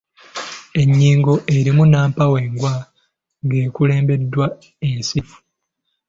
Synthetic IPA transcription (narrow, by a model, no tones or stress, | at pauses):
e̞ɲːiːŋɡo̞ʔeɾimunaːmpawe̞ːŋɡwa | ɡeːkule̞ːmbe̞dːwa | ensifu̥